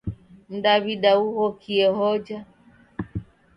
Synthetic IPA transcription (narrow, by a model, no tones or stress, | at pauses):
n̩daβiɗauhɔkʰiɛhɔd͡ʒa